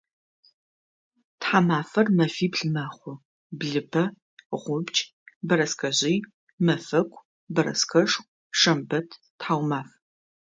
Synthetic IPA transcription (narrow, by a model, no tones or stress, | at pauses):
tħaːmaːfɐrmɐfiːbɮɨmaːχʷʊ | bɮɨbʰɐ | ʁʷʊbt͡ʃʼ | bɐɾɐskʰɐʑiː | mɐfɐkʷʰʼ | bɐɾɐ̰skʰɐʂ | ʂɐmbɐtʰ | tħaːwmaːf